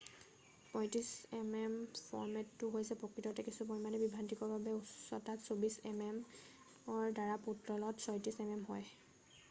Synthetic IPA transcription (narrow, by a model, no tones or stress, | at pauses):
pɔjtisɛmɛmpʰɔ̰ɹmɛtːʊɦojsɛpɹokɹitɔtɛkisupoimanɛbibʱantikɔɹbabɛussɔtatsobisɛ̰mɛm | ɔɹdaɹaputɹɔlɔtsɔjtisɛmɛmɦɔj